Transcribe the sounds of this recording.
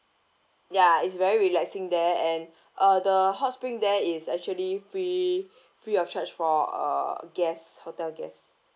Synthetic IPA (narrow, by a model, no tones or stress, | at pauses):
jaitsvɛɹiɹilɛksɪ̃ŋdɛɛ̃n | ʔʌdəhɔtspɹĩŋdɛisɛk̚t͡ʃuəlifɹi | fɹiɔft͡ʃat͡ʃfɔʌ̰ɡɛshotɛlɡɛ̰s